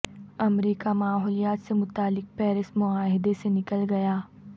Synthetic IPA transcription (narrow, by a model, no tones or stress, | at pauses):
ɐmɾiːkamaːɦɔːlijaːt̪semʊt̪aːlːɪk̚pɛːɾɪsmʊaːɦɪd̪esenɪkəlɡɐjaː